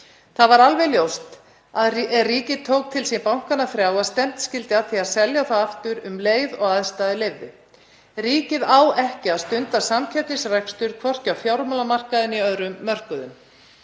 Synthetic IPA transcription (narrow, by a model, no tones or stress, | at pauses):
θaðvaɾalvɛljowst̪ | aðɛriːcɪðt̪ʰoːwk̚t̪ʰɪlsipawŋ̥kanːafɾjaːwaðst̪ɛm̥t̪scɪlt̪ɪaðθiaðsɛljaθaðaft̪ʏɾʏmleːjðɔɣaðst̪aːðɪlɪvðɪ̰ | riːcɪðawɛhcɪaðst̪ʏnt̪asamcʰɛp̚t̪ɪsrɛkst̪ʏɾ̥kʰvɔr̥cawfjawɾmɔlamar̥kaðɪniœðɾʏmːœr̥kʏðʏm